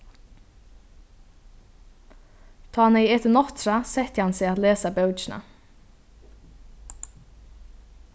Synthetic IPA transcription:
t̪ʰɔːanɛjɛt̪ɪnɔht̪ɾasɛht̪əhansɛat̪leːsabœwt͡ʃɪna̰

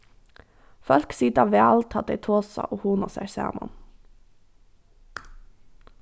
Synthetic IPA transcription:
fœlksiːt̪ɑːʋeːɑlt̪ʰɑt̪eːt̪ʰoːsɑ̰ʔoːhuːnosæsæ̰ːmɑ̰n

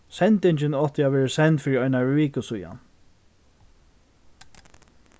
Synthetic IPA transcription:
sɛnt̪ɪɲt͡ʃɪnɔht̪ɪavʋɛːɹɪsɛnt̪fiːɾiɔjnaɹiːkəsuja̰n

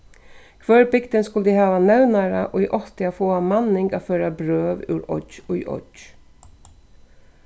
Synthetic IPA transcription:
kʰʋœɹbɪɡd̪ənskʊld̪iːhɑːʋanɛʋnɑɾəʔo̰ːiːʔɔt̪ɪaːfoːɑmɑnːɪŋɡa̰ːføːɾabɾøːʋʉ̰ːɾɔ̰ɔḭːʔɔ̰d͡ʒ

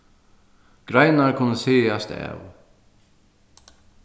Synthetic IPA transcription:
ɡ̥ɾajnaɾkʰʊnːəsiːast̪ɛ̰ːw

